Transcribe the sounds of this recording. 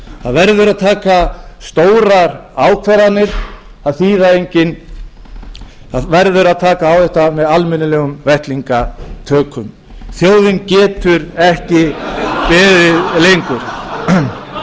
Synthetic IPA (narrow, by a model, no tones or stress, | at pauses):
θaðvɛɾðʏɾaðt̪ʰaːkast̪oːwɾaɾaːwkʰvɛɾanːɪɾ̥ | θaðθiːðaejɲcɪn | avɛɾðʏɾaðt̪ʰaːkaːwθɛht̪amɛðalmɛnɪlɛːɣʏmvɛht̪liŋkat̪ʰœːkʰʏm | θjoːwðɪncɛːt̪ʏɾɛhcɪpɛːðɪðlejŋkʏɾ̥